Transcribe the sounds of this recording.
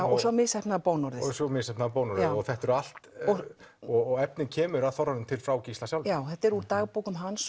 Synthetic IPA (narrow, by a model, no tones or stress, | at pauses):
awɔsawmɪsɛhpnaðpoːwnɔɾðɪsɔmɪsɛhpnaðpoːwnɔɾðɪɔɣθɛht̪ɛɾal̥t̪ | ɔɣɔɛpnɪncʰɛːmʏɾaðθɔɾanʏmt̪ʰɪlfɾaːwcist̪asjawljaːwθɛht̪ɛɾuɾt̪aːɣpowkʏmɦans